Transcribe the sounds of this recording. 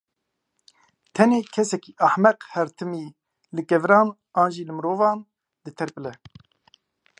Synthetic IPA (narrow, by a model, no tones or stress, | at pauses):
t̪ʰɛneːkʰɛsɛkiːʔaħmɛqhɛɾt̪ʰɨmiː | lɨkɛvɾɑːn | ɑːnʒiːlɨmɨɾoːvɑːn | d̪ɨt̪ʰɛɾpɨlɛ